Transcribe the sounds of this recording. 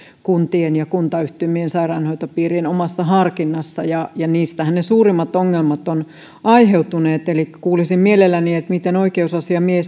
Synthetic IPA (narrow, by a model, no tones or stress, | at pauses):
kunt̪ienjɑkunt̪ɑyht̪ymiensɑirɑnhoit̪opiːrinomɑsːɑhɑrkinːɑsːɑjɑjɑniːst̪æhænnesuːrimːɑt̪oŋːelmɑt̪on | ɑiheut̪uneːt̪elikːæ̥kuːlisimmielelːæniet̪mit̪enoikeusɑsiɑmies